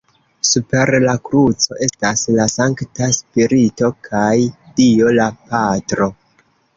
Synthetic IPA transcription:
supe̞ɾlakɾut͡so̞ʔe̞staslasaŋktaspiɾito̞kʰajd̥io̞lapatɾo̞

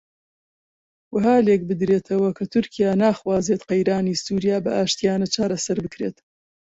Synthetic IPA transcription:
wɐɦaːlek̚bɨd̪ɾeːt̪ʰɐwɐkʰɐt̪ʰʊɾkʰijaːnaːxwaːzeːt̪qɐjɾaːniːsuːɾijaːbɐʔaːʃt̪ijaːnɐt͡ʃʰaːɾɐsɐɾbɨkɾeːt̪

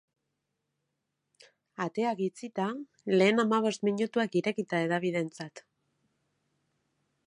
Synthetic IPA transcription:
at̪e̞akit͡sit̪a | le̞ːnamaβ̞o̞st̪miɲut̪uakiɾe̞kit̪ae̞ðaβiðe̞nt͡sat̪

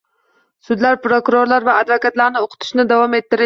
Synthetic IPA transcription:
sʊd̪laɾpɾokʊɾoɾlˠaɾvaːd̪vɑkat̪lˠaɾnɪoqʰʊ̥t̪ʰɪ̥ʃnɪd̪ɑvɑmet̪ːɪɾɪ

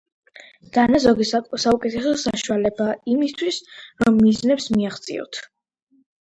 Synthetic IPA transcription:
d̪̥anazɔɡissaukʼɛt̪ʰɛsɔsaʃualɛbaimist̪ʰwisɾɔmːiznɛpsmiaχt̪sʼḭɔ̰t̪ʰ

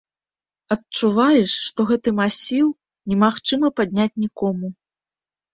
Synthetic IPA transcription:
ɐtt͡ʂuvajɛʂːt̪ɔɣɛt̪ɨmasʲiw | nʲɛmaxt͡ʂɨmɐpad̪ʲnʲat͡sʲnʲikɔmu

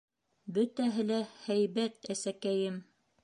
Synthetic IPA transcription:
bɵt̪æɦɘlæhæjβæt̪æsækæjɘm

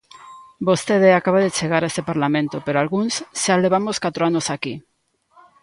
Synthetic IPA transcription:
bost̪eðeakaβaðet͡ʃeɣ̞aɾaest̪epaɾlamẽnt̪opeɾoalɣunsʃaleβ̞amoskat̪ɾoanosaki

